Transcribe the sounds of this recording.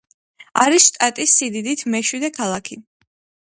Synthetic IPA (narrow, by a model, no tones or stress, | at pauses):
aɾisʃt̪ʼat̪ʼisːid̪id̪it̪ʰmɛʃwid̪ɛkʰalˠakʰi